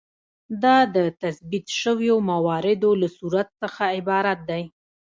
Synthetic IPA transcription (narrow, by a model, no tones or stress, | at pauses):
d̪ɑd̪ət̪asbit̪ʃəwjomawɑɾɪd̪olasuɾat̪səxaɪbɑɾat̪̚d̪aj